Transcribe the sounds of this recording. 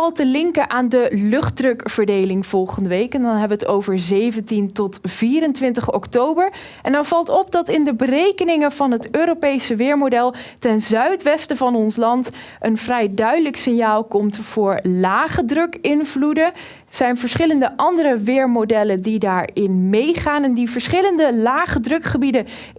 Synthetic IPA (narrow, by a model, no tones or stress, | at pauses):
ɑlˠtəlɪŋkəʔaːndəlɵχt̚drɵkvəɹdejlɪŋv̥ɔlˠχəndəʋejkɛndɑnɦɛbəʋətowvəɹzejvəntintɔtv̥iːɾəntʋɪntəχɔktowbəɹ | ʔɛndɑnv̥ɑlˠtɔp̚dɑtɪndəbərejkənɪŋəv̥ɑnɦətøːɾopejsəʋɪːɹmodɛlˠtɛnzœɥtʋɛstəvɑnɔnslɑnt | ʔənvrɛjdœɥdələksɪnjaːlˠkɔmtv̥ʊːɹlaːχədrɵkɪnvludə | z̥ɛjnvəɹsχɪləndəʔɑndərəʋɪːɹmodɛləndidaːɹɪnmejχaːnɛndivəɹsχɪləndəlaːχədrɵkχəbidə